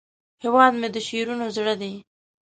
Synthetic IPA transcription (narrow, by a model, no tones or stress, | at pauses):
hewɑd̪med̪əʃeɾunozɽəd̪e